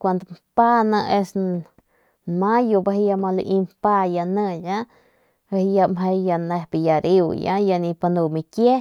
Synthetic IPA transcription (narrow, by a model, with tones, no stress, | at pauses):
kʷa˧nd̪ompa˦na˧ʔe˧s | majo˧ba˧ɦja˧ma˧lṵ˧ʔi˧mpa˦ja˧nə˧ja | e˧hja˧mɦe˧jja˧ne˧hbija˨ɾiwja̰˦ja˧ni˧pa˧nu˧mikje˦